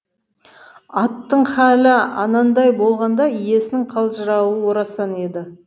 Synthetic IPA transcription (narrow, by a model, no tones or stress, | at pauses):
ɑt̪ːəɴχælɪɑ̰nɑnd̪ɑjbo̞lˠʁɑnd̪ɑije̞sɪnɪŋqʰɑlˠʒəɾɑwəwo̞ɾɑsɑne̞d̪ɪ